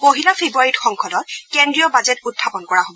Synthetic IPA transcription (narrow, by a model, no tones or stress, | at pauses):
poɦilɔpʰebuaɹitxɔŋkʰɔdɔt̚kɛndɹiɔbazɛtutʰːapɔnkɔɹaɦobɔ